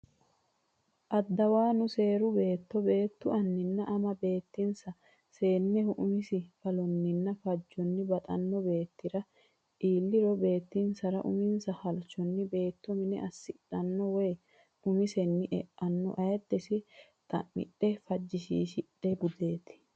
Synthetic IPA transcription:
ʔɐd̪ːɐwaːnʊse̞ːɾʊbe̞ːt̪ːɔbe̞ːt̪ːʊʔɐnːɪnːɐʔɐmɐbe̞ːt̪ːɪnsɐ | se̞ːnːɛhʊʔʊmɪsɪfɐlɔnːɪnːɐfɐd͡ʒːɔnːɪbɐt̪ʼɐ̰nːɔbe̞ːt̪ːɪɾɐ | ʔiːlːɪɾɔbe̞ːt̪ːinsɐɾɐ̰ʔʊ̰mɪnsɐhɐlt͡ʃɔnːɪbe̞ːt̪ːɔmɪnɛ̰ʔɐsːɪᶑɐnːɔwej | ʊmɪsɛnːɪʔɛʔɐnːɔ̰ʔɐjɛd̪ːɛsɪt̪ʼɐ̰ʔɪ̰ɗɛfɐd͡ʒːɪʃḭːʃɪᶑɛɡʊd̪e̞ːt̪ɪ̥

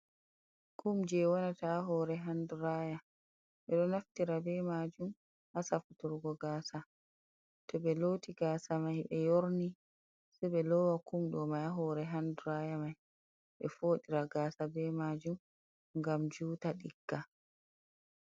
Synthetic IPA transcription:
kumd͡ʒɛwɔnataɦɔːɾɛɦanduɾaja | ɓɛɗɔnaftiɾabɛmad͡ʒum | hasafutuɾɡɔɡaːsa | tɔɓɛloːtiɡaːsamajɓɛjoɾni | sɛɓɛlɔwakumɗɔmajaɦɔɾɛɦanduɾajamaj | ɓɛfoːɗiɾaɡaːsabɛmaːd͡ʒum | ŋɡamd͡ʒuːtaɗiɡːa

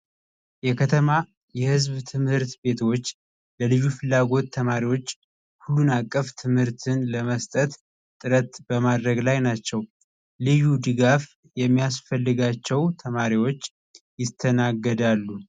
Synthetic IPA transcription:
jɛkʰət̪ʰəma | jɛhɨzβt̪ʰɨmhɨɾt̪be̞t̪ʰo̞t͡ʃː | ləlɨjufɨlːaɡo̞t̪ʰːəmaɾiwo̞t͡ʃː | hulːunakʼːəft̪ʰɨmhɨɾt̪ʰɨnləməst̪ʼət̪ | t̪ʼɨɾət̪bəmad̪ɾəɡlajnat͡ʃːɛw | lɨjud̪ɨɡaf | jɛmːijasfəlːɨɡat͡ʃːɛwt̪ʰəmaɾiwo̞t͡ʃː | jɪt̪ʰːənaɡːəd̪alːu

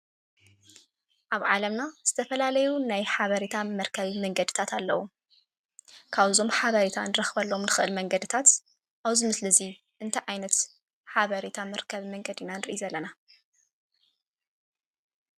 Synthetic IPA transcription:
ʔaβʕalɐmnaz̥ɨt̪ʰɐfɐlalɐjunajħaβɐɾit̪ʰamɐɾkʰɐβimɐŋɡɐd̪ɨ̥t̪ʰat̪ʰalːɐwu | kʰaβɨzo̞mħaβɐɾit̪ʰa̰nɨɾɐxβɐlːo̞mnɨxɨʔɨlmɐŋɡɐd̪ɨt̪ʰat̪ | ʔaβzimɨslɨzi | ʔɨnt̪ʰɐjʕajnɐt̪ | ħaβɐɾit̪ʰamɐɾkʰɐβimɐŋɡɐd̪inanɨɾɨʔjuzɐlːɐna

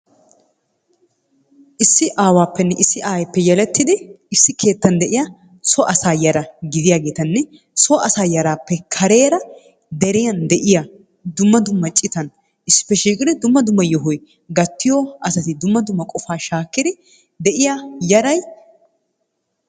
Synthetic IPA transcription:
ʔɪsːɪʔaːwaːpːɛnːɛʔɪsːɪʔaːjpːɛjɛlɛt̪ːɪd̪ɪ | ɪsːɪkʰe̞ːt̪ːɐnd̪ɛʔɪjɐ | sɔʔɐsaːjɐɾɐɡɪd̪ɪjaːɡe̞ːt̪ɐnːɛ | sɔʔɐsaːjɐɾaːpːɛkʰɐɾeːɾɐ | d̪ɛɾɪjɐnd̪ɛʔɪja | d̪ʊmːɐd̪ʊmːɐt͡ʃʼɪt̪ɐn | ʔɪsːɪ̥pːɛʃiːkʼɪd̪ɪd̪ʊmːɐd̪ʊmːɐjɔɦɔj | ɡɐt̪ːɪjɔʔɐsɐt̪ɪd̪ʊmːɐd̪ʊmːɐkʼɔfaːʃaːkːɪd̪ɪ | d̪ɛʔɪjajɐɾɐj

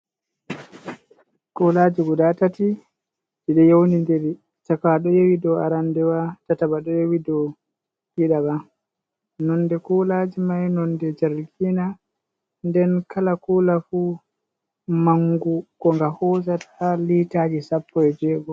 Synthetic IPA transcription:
kulaːd͡ʒiɡudatati | d͡ʒiɗɛjownindɛɾi | takaɗɔjewidɔaɾandɛwatatabaɗɔjewidɔ | hiɗaba | nɔndɛkulad͡ʒimajnɔndɛd͡ʒaɾɡina | ndɛnkalakuːlafu | maŋɡukɔŋɡahɔːzatʰalitaːd͡ʒisapːɔɛd͡ʒɛːɡɔ

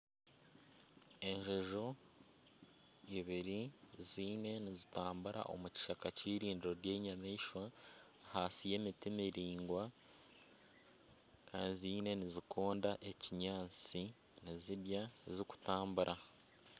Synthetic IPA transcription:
e̞ɲʒoʒo̞ | iβiɾiziːne̞nizitaːmbuɾa̰ʔo̞̰muci̥ʃakaciːɾiːndiɾo̞ɾje̞ːɲameiʃwa | hasije̞mitimiɾiːŋɡwa | kʰaːnzine̞nizikʰo̞ːndaʔe̞ciɲaːt͡si | niziɾjaziku̥taːmbuɾʔa

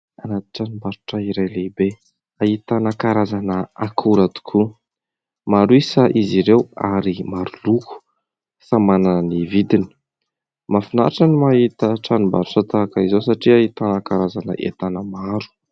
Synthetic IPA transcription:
anat̪i̥ʈ͡ʂanimbaɾuʈ͡ʂaiɾajleibe | aɦit̪anakaɾazanəakʰuɾat̪u̥kʰu | maɾuisaʔiziɾewa̰ɾimaɾuluku̥ | samananənivid̪ini̥ | mafina̰ʈ͡ʂanimaɦit̪əʈ͡ʂanumbaɾuʈ͡ʂat̪akaizosaʈ͡ʂiaɦit̪anakaɾazanə̰ʔḛt̪anəmaɾu̥

